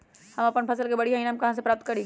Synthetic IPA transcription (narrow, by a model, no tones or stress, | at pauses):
hɐmɐpənpʰɐsəlkebɐɽiɦainmkɐɦãs̬epɾaːp̚t̪̚kɐɾeːɡ